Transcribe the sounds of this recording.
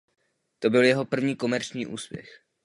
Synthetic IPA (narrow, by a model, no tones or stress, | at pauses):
t̪o̞bɪljɛɦo̞pr̩vɲiːko̞mɛɾt͡ʃɲiːʔṵːspjɛ̰x